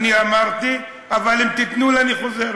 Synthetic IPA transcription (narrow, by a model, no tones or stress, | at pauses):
niamaʁt̪i | avalimt̪it̪nulaniχo̞zeɾ